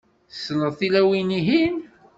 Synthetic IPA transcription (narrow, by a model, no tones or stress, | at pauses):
sːnəðˤθilæwiniɦin